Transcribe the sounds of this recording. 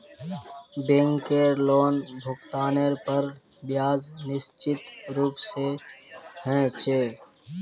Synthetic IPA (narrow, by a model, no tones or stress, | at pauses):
bẽŋkeɾloːnbʱʊkt̪aːneɾpəɾbjaːznɪst͡ʃɪt̪ɾuːpse | hɛ̃ːt͡ʃeː